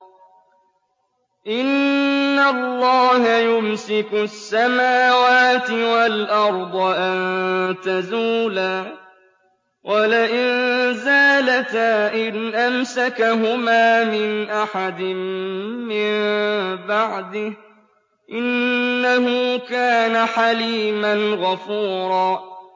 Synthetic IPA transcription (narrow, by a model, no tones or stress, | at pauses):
ʔɪnːalːɑːɦajʊmsɪkʊsːamaːwaːt̪ɪwalʔɑɾˤd̪ˤɑʔant̪azuːlaː | wʔalaʔɪnzaːlat̪aʔɪnʔamsakaɦʊmaːmɪnʔaħad̪ɪmː | ɪmbaʕd̪ɪh | ʔɪnːaɦʊkaːnaħaliːmanɣafuːɾˤɑː